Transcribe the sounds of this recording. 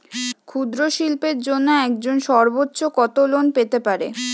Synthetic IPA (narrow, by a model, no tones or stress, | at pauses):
kʰud̪ɾoʃilpeɾd͡ʑonːoɛk̚d͡ʑonʃɔɾbotːɕokɔt̪olonpet̪epaɾḛ